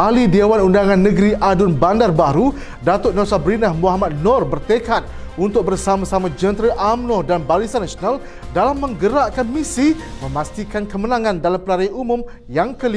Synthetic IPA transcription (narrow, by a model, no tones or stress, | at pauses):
ʔalidawanundaŋãnːə̃ɡɾiʔadʊnbandarbaɾu | dat̪ʊt̪̚nosabɾinahmuɦamat̪̚nɔrbərt̪ekat̪̚ | unt̪ʊk̚bərsamãsamãd͡ʒənt̪ɾəʔamnɔdanbaɾisanːasional | dalamːə̃ŋɡəɾaʔkanmisimə̃mast̪ikankəmənãŋãndalampəlaɾajumũm | jaŋkəli